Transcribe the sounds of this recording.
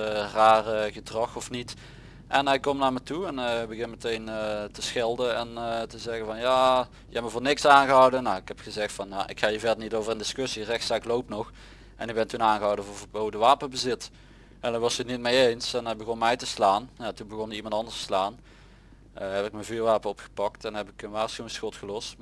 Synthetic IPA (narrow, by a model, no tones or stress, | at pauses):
raːrəɣədrɑxɔfnit | ʔɛnɛkːɔmnaːɹmɛtuɛnbəɣɪnmətejnətəsxɪlˠdəɛntəzɛɣənvɑnjaː | jəɛpməvʊːɹnɪksaːnɣəɦɑwdənːaɪkhɛpxəzɛxtfɑnja̰ʔɪ̰kxaːjəvɛdənitowvərəndɪskɵsirɛxtsaːɪklowpnɔx | ʔɛ̰nɪɡ̚bɛntunaːnɣəɦɑwdəvvəbowdəʋaːpəbəzɪt | ɛndəʋɑsənit̚mejejnsɛnɛbəɣɔnmɛjtəslaːnjaːtunbəɣɔnəimɑntɑndəɹstslaːn | əɦɛpɪk̚məvyːɹʋaːpənɔpxə̥pɑk̚tɛnɦɛpɪkənʋaːɹsxyɪŋsxɔtxəlɔst